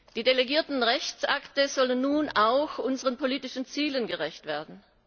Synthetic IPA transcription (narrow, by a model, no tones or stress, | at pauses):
d̥iːdeleɡiːɐtn̩ʁɛçt͡sʔaktəz̥ɔlənːuːnaʊxʔʊnzəʁənpʰoliːtɪʃn̩t͡siːlənɡəʁɛçtv̥eːɐdn̩